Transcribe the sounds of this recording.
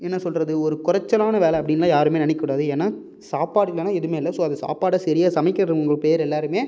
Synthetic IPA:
ɛnːɐsɔlɾɐðɯɔɾɯkʊɾɐt͡ʃːɐlaːnɐʋeːlɛɐpːɐɽɪnːɐlːaːjaːɾɯmeːnɐnɛkːʊɽaːðɯɛːnːaː | saːpaːɽɪlːɐnãːɛðɯmeːɪlɐsoːɐðɐsa̰ːpaːɽɐsɪɾɪjaːsɐmɐɪkːɪɾɐðɯʊŋɡɐɭpeːɾɛlːaːɾɯmeː

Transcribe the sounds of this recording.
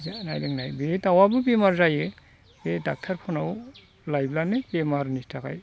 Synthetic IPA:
zana̰jdɯŋnajbetawabɯbemaɾzaje | bedak̚tʰaɾpʰɔnaw | lajblanebemaɾnistʰaka̰j

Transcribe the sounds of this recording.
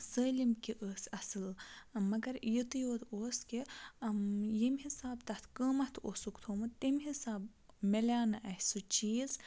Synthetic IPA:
səːlimkiʔəːsʲɐsɨlmɐɡɐɾjit̪ɨjoːd̪oːski | jimʲɦisaːbt̪ɐt̪ʰkəːmɐt̪ʰoːsukt̪ʰoːmɨt̪imɦisaːbmelʲaːnɐʔɐhʲsut͡ʃiːz

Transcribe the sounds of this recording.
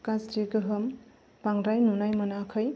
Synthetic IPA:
kasdiɡɯɦɯm | b̥aŋɾajnunajmɐnakʰəj

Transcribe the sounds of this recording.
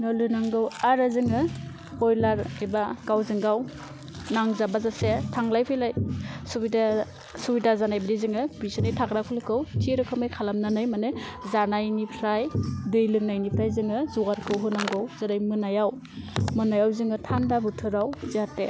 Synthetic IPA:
nɔlɯnaŋɡɯwaɾɯzɯŋɯ | hɔjlaɾebaɡawzɯŋɡaw | naŋzabazasetʰaŋlajpʰɯjlajsubida | subidazanajbadizɯŋɯbisanejtʰakɾakʰɯlɯkʰɯwtʰiɾɯkʰɯmɯjkʰalamnanɯjmanɯzanajnipʰɾajdɯjlɯŋnajnipʰɾajzɯŋɯzuɡaɾkʰɯwɦɯnaŋɡɯwzaɾajmɯnajaw | mɯnajawzɯŋɯtʰandabutʰɯɾawziatːe

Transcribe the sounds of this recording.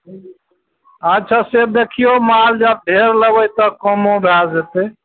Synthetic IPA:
ad͡ʒt͡ʃʰaseb̚d̪ekʰijomald͡ʒəb̚ɖ̪ʱeɾləbəjt̪ɔkɔmobʱjad͡ʒet̪e

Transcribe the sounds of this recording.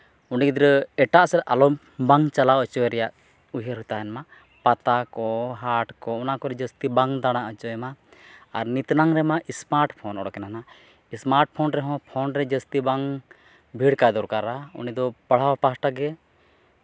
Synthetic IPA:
uɳɖikid̪ɾəɛʈaʔsɛɾʔalɔ | baŋt͡ʃalaɔt͡ʃɔwɛɾɛjaʔ | uɦəɾɦut̪aɛnma | pat̪akɔɦaʈkɔɔnakɔɾɛd͡ʒəst̪ibaŋd̪aɽ̃aʔət͡ʃɔɛmaː | ɾnit̪naŋɾɛmaʔismaɾʈpʰɔnɔɽɔkɛnana | ismaɾʈ̚pʰɔnɾɛɦɔ̃pʰɔnɾɛd͡ʒəst̪ibaŋ | bʱiɽkajd̪ɔɾkaɾaṵnid̪ɔpaɽ̤awpasʈaɡɛ

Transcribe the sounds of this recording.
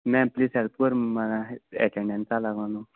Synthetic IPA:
mɛ̃plisɛlp̚kəɾmaɡaɛ̰ʈɛ̃ɳɖɛ̃nt͡salaɡãnu

